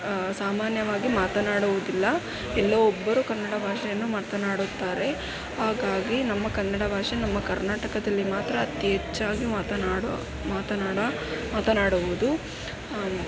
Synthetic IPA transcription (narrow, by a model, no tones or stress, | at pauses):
saːmaːnjɐʋaːɡimaːt̪ɐnaːɽuʋud̪ilːɐ | ɛlːɐɔbːɐɾukɐnːɐɽɐbʱaːʂɐjɐnːumɐɾt̪ɐnaːɽut̪ːaːɾe̞ | ɦaːɡaːɡinɐmːɐkɐnːɐɽɐbʱaːʂɐnɐmːɐkɐɾnaːʈɐkɐd̪ɐlːimaːt̪ɾɐːt̪jɦɛt͡ʃːaːɡimːt̪ɐːɽ | maːt̪ɐaːɽɐ | maːt̪ɐnaːɽuʋud̪u